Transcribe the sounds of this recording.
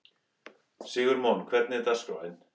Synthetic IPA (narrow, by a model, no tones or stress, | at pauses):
siːɣʏɾmankʰvɛɾt̪nɪt̪ask̪ɔ̰wɛn